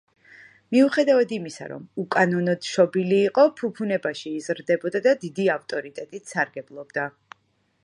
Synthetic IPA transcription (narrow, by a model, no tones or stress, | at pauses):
miuχɛd̪avad̪imisa̰ɾɔ̰mukʼanɔnɔd̪̥ʃɔbiliːqʼɔpʰupʰunɛbaʃiːzɾd̪ɛbɔd̪ad̪ad̪id̪iaft̪ʼɔɾit̪ʼɛt̪ʼit̪ʰsaɾɡɛblˠɔbd̪a